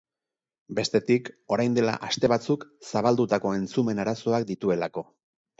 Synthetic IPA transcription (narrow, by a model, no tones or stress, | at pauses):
be̞st̪e̞t̪iko̞ɾajnd̪e̞la̰ʔast̪e̞β̞at͡suksaβ̞ald̪ut̪ako̞e̞nt͡sume̞naɾaso̞ak̚d̪it̪ue̞lako̞